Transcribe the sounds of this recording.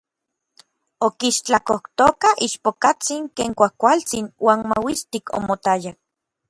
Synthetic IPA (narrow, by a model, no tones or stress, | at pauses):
okiʃt͡ɬakoht̪okaiʃpokat͡siŋkeːŋkʷahkʷalt͡sinwaːnmawist̪iko̰mot̪ajak̚